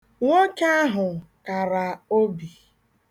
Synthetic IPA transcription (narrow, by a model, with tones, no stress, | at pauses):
ŋʷo˦ka˦a˦ɦʊ˨ka˨ɾa˨o˦bi˨